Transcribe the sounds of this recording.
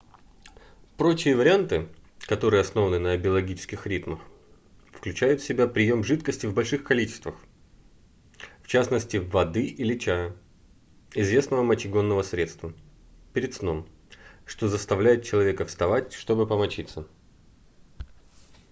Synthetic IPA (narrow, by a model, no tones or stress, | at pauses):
pɾo̞t͡ɕɪjəvəɾʲɪant̪ɨkɐt̪o̞ɾɨjəɐsno̞vənɨnəɐbʲɪɐlˠɐɡʲit͡ɕɪ̥skʲɪxɾʲit̪məx | fklʲʉt͡ɕæjʊt̪fsʲɪbʲapɾʲɪjo̞mʐɨt̪kəsʲtʲɪvbɐlʲʂɨxkɐlʲit͡ɕɪ̥st̪vəx | ft͡ɕasnəsʲtʲɪvɐd̪ɨʔilʲɪt͡ɕæjə | ɪzvʲe̞snəvəmɐt͡ɕɪɡo̞nːəvəsɾʲe̞t̪st̪və | pʲɪɾʲɪt̪sno̞m | ʂt̪o̞zəst̪ɐvlʲæjɪt̪̚t͡ɕɪlˠɐvʲe̞kəfst̪ɐvatʲʂt̪o̞bɨpəmɐt͡ɕit̪sːə